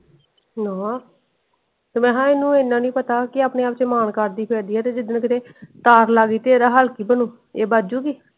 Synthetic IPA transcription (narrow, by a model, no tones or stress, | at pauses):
naː | t̪ːmɛ̃ːɦãːɪːnũːenːãːnĩːpət̪aːkɪaːpneːaːpt͡ʃəmaːnkəɾd̪iːpʰeɾd̪iːɛːt̪eːd͡ʒɪd̪ənkɪt̪eːt̪aːɾlaːɡiːt̪eːɾaːɦəlkiːbənuː | eːbaːd͡ʒuːɡiː